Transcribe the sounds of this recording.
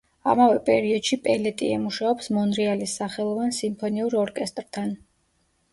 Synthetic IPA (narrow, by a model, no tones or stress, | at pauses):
a̰mavɛpʼɛɾiɔd̪ʃipʼɛlɛt̪ʼḭɛmuʃaɔpsmɔnɾialisːaχɛlˠɔvansimpʰɔniuɾɔɾkʼɛst̪ʼɾt̪ʰan